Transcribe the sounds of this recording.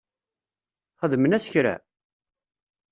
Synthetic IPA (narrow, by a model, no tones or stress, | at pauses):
χəðmənæsə̥çɾæ̰